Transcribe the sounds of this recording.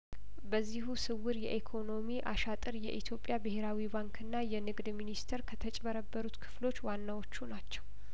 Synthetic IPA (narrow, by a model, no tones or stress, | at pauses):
bəzːihusɨwːɨɾjɛ̰ʔikʰo̞no̞miʔaʃat̪ʼɨɾjɛ̰ʔit̪ʰjo̞pʼːjabɨhe̞ɾawibaŋkʰɨnːajɛnɨɡd̪minist̪ʰeɛɾkʰət̪ʰət͡ʃʼbəɾəbːəɾut̪kʰɨ̥flo̞t͡ʃːwanːawo̞t͡ʃːunat͡ʃːɛw